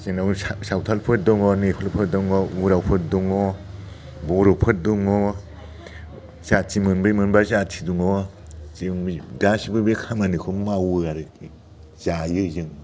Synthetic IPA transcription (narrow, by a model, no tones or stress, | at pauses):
zɯŋnawsawtʰalpʰɯt̚dɔŋɔnepʰalpʰɯt̚dɔŋɔuɾawpʰɯt̚duŋɔ | bɔɾopʰɯt̚duŋɔ | z̥atʰimɯnbɯjmɯnbazatʰiduŋɔ | ziŋɡasibɯbekʰamanikʰumawɯaɾɯ | z̥ajɯzɯŋ